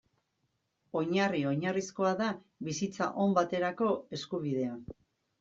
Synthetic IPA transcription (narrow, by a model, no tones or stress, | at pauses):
o̞ɲario̞ɲarisko̞aða | βisit͡sa̰ʔo̞mbat̪e̞ɾako̞e̞skuβið̞e̞an